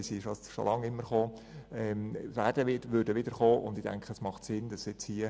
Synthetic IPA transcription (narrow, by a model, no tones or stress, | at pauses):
siʃoʃo̰lɑŋɪmːəɾχoː | ɛmʋæd̥əʋɪdʋʏɾdəʋɪdəɾχoːʔʊ̰ndɪd̥æ̰ŋkχəəsmɑχtsɪnd̥ɑsɛt͡shiə